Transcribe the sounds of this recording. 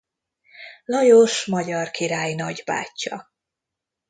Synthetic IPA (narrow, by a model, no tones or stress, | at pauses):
lɒjoʃmɒɟɒrkiɾaːjnɒɟba̰ːcːɒ